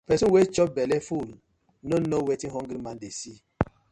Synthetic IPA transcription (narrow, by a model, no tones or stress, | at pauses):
pɛsuwet͡ʃɔp̚bɛleful | nonowetiɦɔŋɡɾimandesi